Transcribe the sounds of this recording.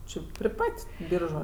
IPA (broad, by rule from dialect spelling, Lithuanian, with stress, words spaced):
ˈt͡ʃʲɪ pʲrʲɪ ˈpɐtʲ ˈbʲiːrʒʊ